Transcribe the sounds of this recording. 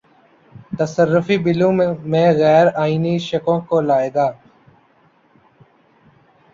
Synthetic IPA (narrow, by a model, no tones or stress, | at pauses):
t̪əsərːʊfiːbɪlũːmẽmẽːɣɛːɾaːiːniʃəkõːkoːlaːeːɡaː